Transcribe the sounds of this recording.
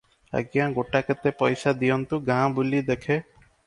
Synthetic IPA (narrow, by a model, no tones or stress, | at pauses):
ə̰ɡjãɡoʈakət̪epɔjsad̪ijɔnt̪uɡãbulid̪ekʰe